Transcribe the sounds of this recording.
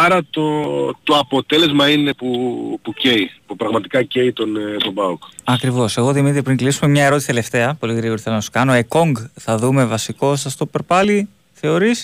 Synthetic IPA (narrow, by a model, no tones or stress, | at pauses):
ɐɾɐt̪ot̪o̞ɐpo̞t̪e̞le̞zmɐine̞pupuceipupɾɐɣmɐt̪ikɐceit̪o̞nt̪obɐokɐkɾivo̞se̞ɣo̞ðimit̪ɾipɾiŋklisume̞mɲɐeɾo̞t̪isi̥t̪ele̞ft̪e̞ɐpo̞liɾioɾθelɐnɐso̥kɐno̞eko̞ŋɡθɐðume̞vɐsiko̞sɐst̪o̞peɾpɐli | θe̞o̞ɾis